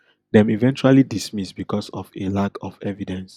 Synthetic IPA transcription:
dɛ̃mivɛ̃nt͡ʃualidismisbikɔsɔvelakʰɔvɛvidɛ̃ns

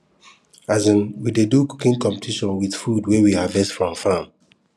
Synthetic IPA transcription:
azə̃nwideduku̥kĩnkɔ̃mpe̥tʰiʃɔ̃nwiθfudwɛwihavɛstfɹɔ̃mfãm

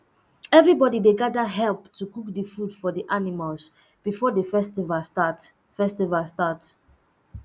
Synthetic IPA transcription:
ɛvɹibɔdideɡadəɦɛlptukuk̚dəfudfɔdiʔanimals | b̥ifɔdefɛstivastat | fɛstivastat

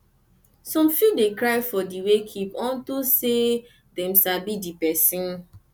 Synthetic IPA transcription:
sɔ̃mfjudekɾajfɔdiwekʰipɔ̃ntuse | dɛ̃msabidipɛsĩn

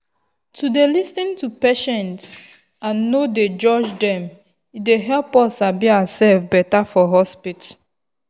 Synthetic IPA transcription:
tʰudelistĩntupeʃɛ̃nt | ãnːoded͡ʒɔd͡ʒdɛ̃m | ideɦɛlpɔsabiasɛlfbɛtafɔɦɔspit

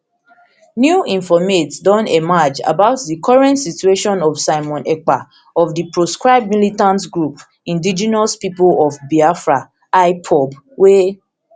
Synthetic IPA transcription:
njuĩɱfɔmetdɔ̃nemad͡ʒa̰baʊtdikʰɔɹɛ̃ntsitueʃɔ̃nɔfsaɪmɔ̃nɛk͡pa | ɔvdipɹoskɹaɪb̚dmilitãntɡɹup | ĩndid͡ʒinɔspipolɔvbiafɹa | aɪpʰɔb | we

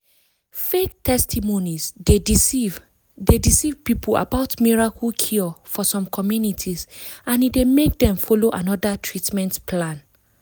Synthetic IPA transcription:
fek̚tʰɛstimonize | dedisivpipula̰baʊtmiɹakʰulkʰiɔfɔsɔ̃mkʰɔmjunitʰizãnidemek̚dɛ̃mfɔloʔãnɔdatʰɹitmɛ̃ntpʰlãn

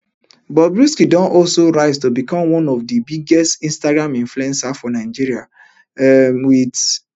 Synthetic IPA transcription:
bɔbɹiskidɔ̃nʔɔlsoɹaɪttobikɔ̃mwɔ̃nɔvdibiɡɛstĩnstaɡɹãmĩnfluɛ̃nsafɔnaɪd͡ʒiɾia | mwid

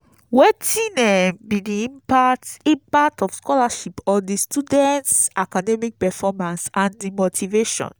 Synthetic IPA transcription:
wetĩnɛbidiĩmpatipatɔfskɔlaʃipɔdistudɛ̃ntsakadɛmik̚pɛfɔmãnsãndimotʰiveʃɔ̰̃n

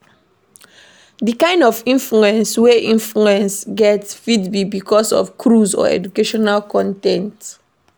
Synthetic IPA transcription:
dikãɪ̃ndɔvĩnfluɛ̃nsweʔĩnfluɛ̃nsɡɛtsfidbibikɔsɔ̰fkʰɹuzɔ̰ɛ̰d͡ʒukeʃɔnalkɔ̃ntɛ̃nt

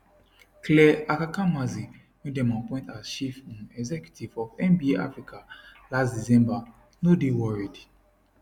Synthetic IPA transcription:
klɛakakãmazi | nũdɛmãnpɔ̃ĩntazʃifĩnɛɡzɛkju̥tivɔvɛ̃nbieʔa̰fɹikalasdizɛ̃mba | nodewɔɹid

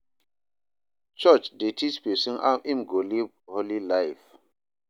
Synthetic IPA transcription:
t͡ʃɔt͡ʃdetʰispisĩna̰ʔĩmɡolib | holilaɪf

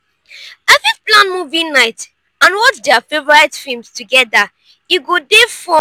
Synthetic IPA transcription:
afiplãnmuvĩŋnaɪt | ãnwɔt͡ʃdɛafevɔɹaɪtfilmstuɡɛda | iɡodefɔ̃

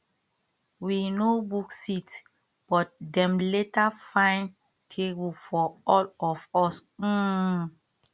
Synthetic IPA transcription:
winobuksit | b̥ɔt̚dɛ̃mletafãɪ̃n | tʰebulfɔɔlɔfɔs̩

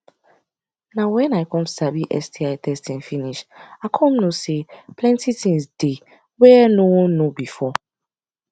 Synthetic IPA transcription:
nãwɛ̃naɪkʰɔ̃msabiʔɛstʰiaɪtʰɛstĩnfĩniʃakʰɔ̃mnũsepʰlɛ̃ntʰitʰĩmsde | wɛnũwɔ̃nũbifɔ

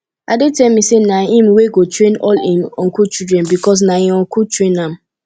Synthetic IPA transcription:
adetɛlmisenaɦĩmweɡotɹẽnɔlimɔ̃ŋkut͡ʃidɹɛ̃nbikɔs̬nahĩmɔ̃ŋkutɹẽnam̩

